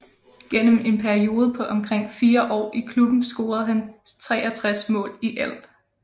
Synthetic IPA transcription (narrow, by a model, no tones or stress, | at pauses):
ɡ̥en̰əme̝npʰæɐio̝ːð̞ˠəpʰɒ̽ʔɒ̽mkʰʁeŋ̰fiːɐʔɒ̰ːʔikʰlub̥n̩sɡ̥o̝ːɐð̞̩ˠɦænt͡sʰʁɛːæt͡sʰʁasmɔ̰̽ːliʔæl̰d̥